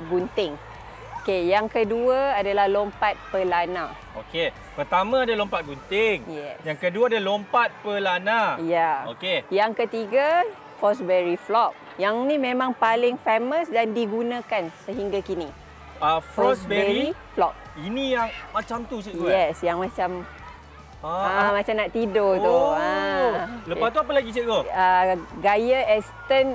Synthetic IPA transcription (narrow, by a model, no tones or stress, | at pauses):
ɡunt̪ɪŋ | okejaŋkəduaadalahlompat̪̚pəlana | oke | pərt̪amãːdalompat̪̚ɡunt̪ɪŋjɛ̰sjaŋkəduaadalompat̪̚pəlanajaokkejaŋkət̪iɡa | fɔsbɛɹiflɔk̚ | jaŋnimẽmãŋpalɪŋfeməsdandiɡunãkansəɦiŋɡakini | afɔsbɛbɛɾiflɔk̚ | inijaŋmat͡ʃamt̪ut͡ʃəɡojɛsjaŋmãt͡ʃam | aamãt͡ʃamnaʔt̪idot̪uaoləpast̪uapəlaɡisəɡoaɡajaɛst̪ən